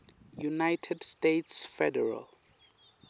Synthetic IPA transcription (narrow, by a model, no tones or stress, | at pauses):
junajtʰɛdstetsfɛdɛɹa̰l